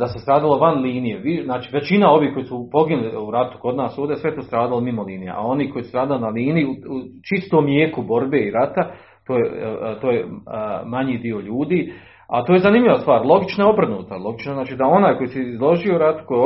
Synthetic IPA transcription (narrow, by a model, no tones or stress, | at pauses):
d̪asest̪ɾaːd̪aloʋanliːnijeʋiznaːt͡ʃi̥ːʋet͡ʃinao̞ʋiːhko̞jisupo̞ɡinliuɾat̪u̥ko̞d̪naːsoːd̪esʋe̞et̪oːst̪ɾaːd̪alimimoliːnijḛʔa̰o̞niːko̞jisust̪ɾaːd̪alinaliːnijiuut͡ʃist̪oːmljeːkubo̞ɾbe̞ːiɾat̪a | t̪oːjet̪o̞ːjemaɲiːd̪io̞ʎuːd̪iː | a̰t̪oje̞zanimʎʲiʋast̪ʋaːɾlˠo̞ɡit͡ʃnoeo̞br̩nuːt̪alˠo̞ɡit͡ʃnoznaːt͡ʃiːd̪ao̞naːjko̞jisɛizlˠo̞ʒiouɾat̪u̥ko